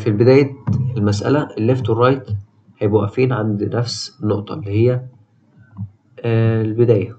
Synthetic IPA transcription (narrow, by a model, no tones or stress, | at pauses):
filbed̪æːjet̪elmæsʔæ̰læʔelːeft̪werˤːɑjt̪ | hæjbæwæʔːæfiːnʕand̪næfsnːoʔt̪ˤɑ̰elːihejːæ | lbed̪æːjæ